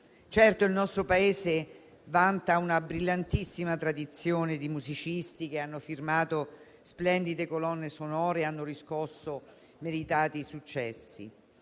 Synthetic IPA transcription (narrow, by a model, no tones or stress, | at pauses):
t͡ʃɛrt̪oilnɔst̪ɾopaeːze | vant̪aunabɾilːant̪isːimat̪ɾad̪it̪sːjoːned̪imuzit͡ʃist̪ik̟eanːofirmaːt̪o | splɛnd̪id̪ekolɔnːesonɔːɾeanːoɾiskɔsːo | meɾit̪aːt̪isut͡ʃːɛsːḭ